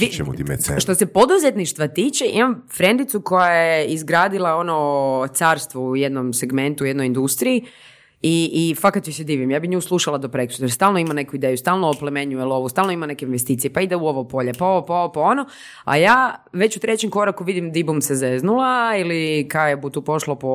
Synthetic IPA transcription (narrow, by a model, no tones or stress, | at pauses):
iṵt̪imḛsʃt̪osepo̞d̪uzet̪niʃt̪ʋat̪iːt͡ʃeʔḭmamfɾe̞nd̪it̪suko̞jajeizɡɾaːd̪ilˠao̞not̪saːɾst̪ʋoujed̪nomseɡme̞nt̪ujed̪nojind̪ust̪ɾii | iːfakat̪jised̪iːʋimjaːbixɲuːslˠuʃalˠad̪opɾekɾut̪ɾst̪aːlˠnoimane̞kuid̪ejust̪aːlˠnoːplemeɲujelo̞ʋust̪aːlˠnoimane̞keinʋest̪iːt̪sijepaid̪auoʋopo̞ʎepaoopaoopao̞no | a̰jaːʋe̞t͡ɕut̪ɾe̞t͡ɕemko̞ɾakuʋid̪imd̪ibumsezeznulailikajebut̪uːpo̞ʃlopo